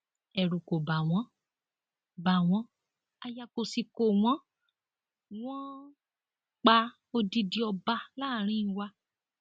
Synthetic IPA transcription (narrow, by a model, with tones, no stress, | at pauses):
ɛ˨ɾu˨ko˨ba˨w̃ɔ̃˨˦ | ba˨w̃ɔ̃˨˦ | a˧ja˧ko˨si˧ko˨w̃ɔ̃˦ | w̃ɔ̃˦ | k͡pa˧ | o˧di˧di˧ɔ˧ba˧laː˦˨ɾ̃ĩ˦˧wa˧